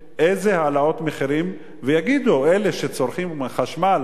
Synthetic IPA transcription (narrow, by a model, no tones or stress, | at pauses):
ʔejzehaːlao̞t̪meχiʁim | vejaɡid̪oeleʃet͡so̞ɾχimχaʃmal